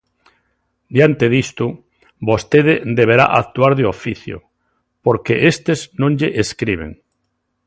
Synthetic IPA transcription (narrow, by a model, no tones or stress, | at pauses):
d̪jant̪eðist̪u | bost̪eðed̪eβ̞eɾa̰ʔak̚t̪uaɾðjoofiθjo̰ | poɾkeʔest̪eznõŋʎeʔeskɾiβ̞ḛŋ